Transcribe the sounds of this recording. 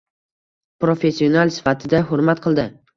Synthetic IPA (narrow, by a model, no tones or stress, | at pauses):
pɾofe̞sːionalˠsɪ̥fat̪ʰɪd̪aɦʊɾmat̪̚qʰɨlˠd̪ɪ